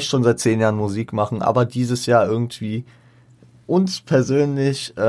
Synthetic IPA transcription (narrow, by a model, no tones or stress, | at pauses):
ɪçtʃoːnzaɪt̚t͡seːnjaːʁənmuziːkmaχn̩ʔa̰ːbɐdiːzəsjaːʔɪɐɡŋ̩tv̥iː | ʔʊnspʰɛɐzøːnlɪçʔɛ